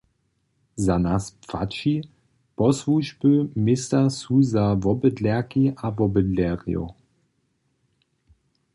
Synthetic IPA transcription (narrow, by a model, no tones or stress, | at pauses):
zanaspfatʃi | pɔsvuʒbəmɪst̪asuzavɔbədlɛɐkiʔavɔbədlɛʁijo̰